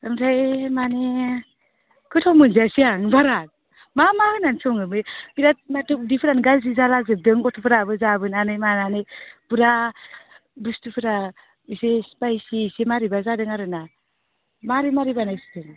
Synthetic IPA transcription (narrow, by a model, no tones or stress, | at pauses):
amtʰajmane | kʰɯtʰɔwmɯnziasiaŋbaɾat̚ | mamahɯnansɔŋɯmɯbiɾat̚natʰɯdipʰɯɾanɡalzizalaɡzɯp̚dɯŋɡɔtʰɔpʰɯɾabɯzabɯnanɯjmananɯpɯɾa | bustɯpʰɯɾa | isespajisisemaɾibazadɯŋaɾɯna | maɾimaɾibanajsi̥tɯŋ